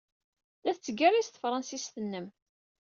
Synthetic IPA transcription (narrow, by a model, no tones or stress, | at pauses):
læθt͡sːəɡæɾist̪ə̥fɾˤɑnsisθənːəm